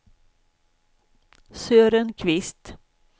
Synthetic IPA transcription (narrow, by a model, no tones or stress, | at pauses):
søːɾənkʰvɪst̪